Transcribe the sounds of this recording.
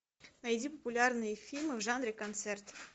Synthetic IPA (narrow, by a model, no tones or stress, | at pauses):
nɐjdʲipəpʊlʲarnɨjəfʲilʲmɨvʐanɾʲɪkɐnt̪sɛrt̪